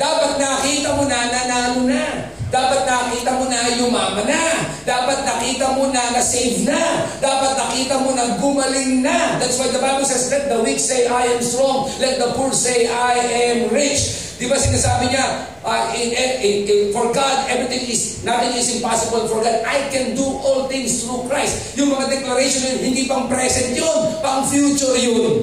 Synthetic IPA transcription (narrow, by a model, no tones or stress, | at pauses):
d̪aːpɐt̪̚nɐkiːt̪ɐmonɐnɐnaːnʊna | d̪aːpɐt̪̚nɐkiːt̪ɐmonɐjʊmaːmɐna | d̪̥aːpɐt̪̚nɐkiːt̪ɐmonɐnɐsejvnad̪aːpɐt̪̚nɐkiːt̪ɐmonɐŋɡʊmɐlɪŋnad̪at̪swajd̪ɐbajbolsɛslɛt̪̚d̪ɐwiksejʔajɛmst̪ɹɔŋlɛt̪̚d̪ɐpulsejʔajʔɛmɹɪt͡ʃ | d̪ɪbasɪnaːsaːbɪɲa | ʔaɪɛɪɪfɔɹɡad̪ɛvɹɪt̪ɪ̃ŋɪs | nat̪ɪŋɪsɪnpasɪbɐlfɔɹɡad̪ajkɛ̃nd̪uʔɔlt̪ɪ̃ŋst̪ɹukɹajst̪̚jʊŋmɐŋad̪ɛklɐɾejʃonɐjonhɪnd̪iːpɐŋpɾɛsɛ̃nt̪jonpɐŋfjuːt͡ʃʊɾjʊn